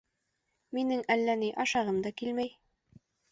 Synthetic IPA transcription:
minɘŋælːæniʔɑʃɑʁɤmd̪ɑkilmæj

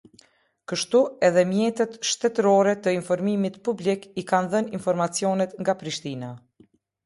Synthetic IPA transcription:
kəʃt̪uɛðɛmjɛt̪ɛt̪ʃt̪ɛt̪əɾɔɾɛt̪əinfɔɾmimit̪publikikanðəninfɔɾmat͡sjɔnɛt̪ŋɡapɾiʃt̪ina

